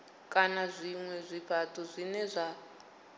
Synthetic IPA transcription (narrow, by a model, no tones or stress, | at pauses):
kʼanazʷiŋwɛzʷiɸʰatʰʼɔzʷinɛzʷa